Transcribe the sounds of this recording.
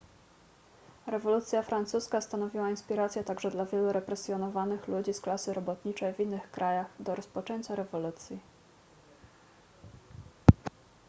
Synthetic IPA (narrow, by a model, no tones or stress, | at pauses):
ɾɛvɔlut̪sʲjafɾant̪suskast̪anɔvʲiwainspʲiɾat̪sʲjɛt̪aɡʐɛd̪lavʲjɛluɾɛpɾɛsʲjɔnɔvanɘxlud͡ʑisklasɘɾɔbɔt̪ɲit͡ʂɛjvʲinːɘxkɾʔajaxd̪ɔɾɔspɔt͡ʂɛɲt͡ɕaɾɛvɔlut̪sʲji